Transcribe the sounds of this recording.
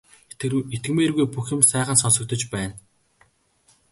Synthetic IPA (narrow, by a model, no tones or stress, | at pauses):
et̪ɡmeːrɣujpuxɘ̆msæːχə̆nsɔnsɞ̆k̚t̪ɞ̆t͡ɕpæːn